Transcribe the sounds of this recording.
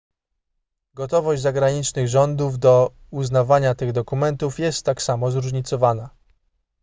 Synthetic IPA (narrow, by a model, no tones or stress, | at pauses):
ɡɔt̪ɔvɔʑd͡ʑʲzaɡɾaɲit͡ʂnɘɣʐɔnd̪uvd̪ɔuznavaɲat̪ɘɣd̪ɔkumɛnt̪ufjɛst̪ːaksamɔzɾuʐɲit̪sɔvana